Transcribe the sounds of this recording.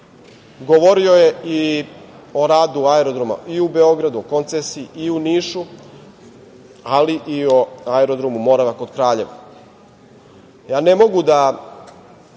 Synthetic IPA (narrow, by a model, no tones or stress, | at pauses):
ɡoʋoɾio̞je̞i | o̞ɾaːd̪uaeɾod̪ɾoma̰ʔiubeo̞ɡɾad̪uoko̞nt̪sesiːiuniːʃu | aliʔioaɛɾo̞d̪ɾomumo̞ɾaʋako̞d̪kɾaːʎe̞ʋa | jaːne̞mo̞ɡud̪a